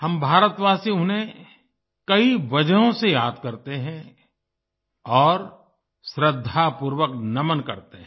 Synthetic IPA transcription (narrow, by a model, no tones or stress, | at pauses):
hɐmbʱaːɾət̪ʋaːsiʊnɦẽ | kɐiʋɐd͡ʒəɦõsejaːd̪̚kɐɾt̪eɦɛ̃ | ɔːɾ | ʃɾəd̪ʱːapuːɾwəknɐmənkɐɾt̪eɦɛ̃